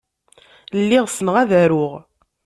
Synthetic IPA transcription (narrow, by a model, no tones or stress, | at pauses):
lːɪʁsənəʁæðæɾʊʁ